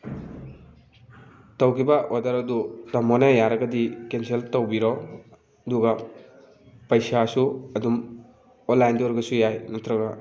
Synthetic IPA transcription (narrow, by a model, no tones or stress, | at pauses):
tɐwkibɐʔodaɾɐdutɐmɔnajaɾɐɡɐdikenseltɐwbiɾɔ | duɡɐ | pɐjsasuɐdum | onlːajndoɾɡɐsujajnɐtʰɾɐɡa